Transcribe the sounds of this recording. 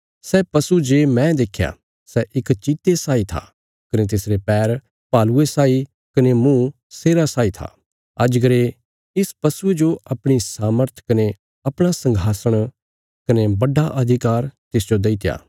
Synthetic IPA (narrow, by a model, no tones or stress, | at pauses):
sɛpɐsud͡ʒeːmɛ̃d̪eːkʰja̰ | sɛʔɪkt͡ʃiːt̪esaːit̪ʰa̰ | kɐnet̪̬ɪsɾepɛːɾ | paːluesaːi | kɐnemũ | seːɾasaːit̪ʰa̰ | ɐd͡ʒɡəɾe | ɪspɐsued͡ʒoɐpɽ̃isaːməɾt̪ʰkɐne | ɐpɽ̃asɐ̃ŋɡʱaːsəɽ̃ | kɐnebɐɖaʔɐd̪ʱɪkaːɾt̪ɪs̬d͡ʒod̪eit̪ja̰ː